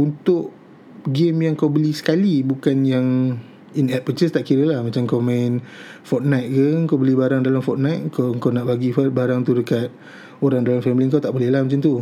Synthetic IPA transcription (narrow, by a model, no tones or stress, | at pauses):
unt̪ʊʔ | ɡɪmjaŋkawbəlisə̥kalibukanjaŋ | inɛt̪̚pət͡ʃəst̪aʔkiɾəlahmat͡ʃaŋkamãɪnfɔt̪̚najt̪̚kəŋkawbəlibaɾaŋdalamfɔt̪̚najt̪̚kaəŋkawnaʔbaɡifɔbaɾaŋt̪udəkat̪̚ | oɾaŋdalamfɛmiliŋk̬awt̪aʔbolɛlahmat͡ʃant̪u